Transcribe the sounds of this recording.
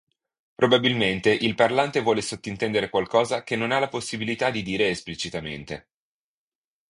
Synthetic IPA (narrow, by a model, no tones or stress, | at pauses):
pɾʔobabilment̪eʔilparlant̪evwɔːlesot̪ːoint̪ɛnd̪eɾekwalkɔːzakenːonalaposːibilit̪ad̪ːid̪iːɾeːsplit͡ʃit̪amḛnt̪ḛ